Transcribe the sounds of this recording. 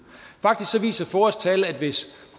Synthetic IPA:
fɑ̈ɡ̥̚d̥isɡ̥sɒ̽ʋḭːsɐfɒːɒsd̥̚t͡sʰɛːl̩æd̥ʋe̝s

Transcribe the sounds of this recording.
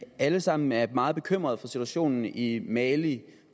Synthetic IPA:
æləsɑ̈m̰n̩æɐmɑ̈ːð̩ˠb̥e̝kʰøm̰ʁɐðˠfɒ̽sit͡sʰuæɕo̝̰ːnn̩imɛli

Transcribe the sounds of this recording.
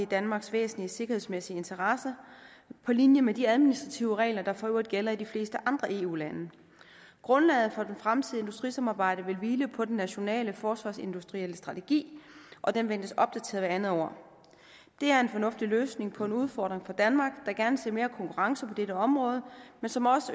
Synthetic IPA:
id̥ænmɑ̈ːɡ̥sʋḛːsn̩lise̝ɡ̥ɐhe̝smesiəe̝nt͡sʰɐʁɑsɐ | pʰɒ̽linjəmed̥iæðˠminisd̥ʁɑt͡sʰiʊəʁɛ̰ːlɐd̥ɑ̈fɒøɐd̥ˠɡ̥elɐid̥ifle̝ːsd̥əʔɑ̈nd̥ʁɐʔe̝̰ːṵːlænə | ɡ̥ʁɔ̽nlɛ̰ːð̩ˠfɒ̽d̥enfʁamt͡sʰiðˠe̝nd̥usd̥ʁisɑ̈mɑ̈ːb̥ɑ̈ɪ̰ɾ̥əʋe̝lʋiːləpʰɒ̽d̥enːæɕo̝nɛ̰ːləfɒːsʋɑ̈ːse̝nd̥usd̥ʁieləsd̥ʁɑ̈t͡sʰe̝ɡ̥ḭːʔɒ̽d̥enʋen̰d̥əsɒ̽b̥̚d̥æt͡sʰe̝̰ɐðˠʋæɐænð̩ˠɒ̰ | d̥e̝æɐe̝nfɒ̽nɔ̽fd̥iløːsne̝ŋpʰɒ̽e̝nuð̞ˠfɒːd̥ʁeŋfɑ̈d̥ænmɑ̈ːɡ̥d̥ɑ̈ɡ̥æɐnəse̝̰ɐme̝ːɐkʰɒ̽ŋkuʁɑ̈ŋsəpʰɒ̽d̥eɾəɒ̽mʁɔ̽ːð̞ˠəmensɒ̽mɒ̽sə

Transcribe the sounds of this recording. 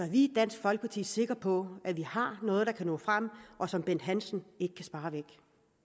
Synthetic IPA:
sɒæʋied̥ːæn̰sɡ̥fɒ̽lɡ̥əpʰɑ̈t͡sʰḭːse̝ɡ̥ʁɐpʰɒ̽æʋihɑ̈nɔ̽ːð̞̩ˠd̥ɑ̈kʰænɔ̰̽ːfʁam̰ʔɒ̽sɒ̽mb̥en̰d̥ɦænsn̩e̝ɡ̥əkʰæsb̥ɑ̈ːʋeɡ̥

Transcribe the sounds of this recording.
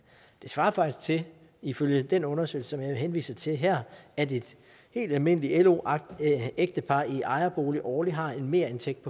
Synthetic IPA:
d̥e̝sʋɑ̈ːɐfɑ̈ɡ̥d̥isɡ̥̚t͡sʰe̝ | iføljəd̥enɔ̽nɐsø̰ɪl̩sə̥sɒ̽mjɑ̈ɪʋe̝ɦenʋḭːsɐt͡sʰe̝ɦæɐ̰æd̥e̝d̥ | he̝̰ːld̥ælme̝n̰əlielo̝̰ | eɡ̥̚d̥əpʰɑ̈iʔɑ̈ɪɐb̥o̝ːliʔɒːliɦɑ̈e̝nme̝ːɐe̝nt͡sʰeɡ̥d̥̚pʰɒ̽

